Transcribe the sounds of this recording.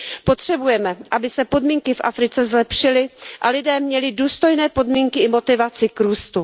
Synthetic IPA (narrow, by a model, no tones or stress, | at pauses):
po̞t̪r̥ɛbujɛmɛʔabɪsɛpo̞dmiːŋkɪfʔa̰fɾɪt͡sɛzlɛpʃɪlɪʔalɪdɛːmɲɛlɪduːst̪o̞jnɛːpo̞dmiːŋkɪɪmo̞t̪ɪvat͡sɪkɾuːst̪u